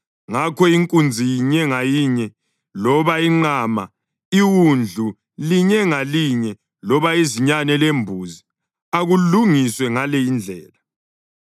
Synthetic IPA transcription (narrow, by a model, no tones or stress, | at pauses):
ŋakɔiŋkʼund͡zʱijiɲɛŋajiɲɛ | lɔβaiŋ͡ǃaːma | iɣund͡ɮʱu | liɲɛŋaliɲɛ | lɔβaiziɲanɛlembʱuːzi | aɣuluŋiswɛŋalɛind͡ɮʱɛːla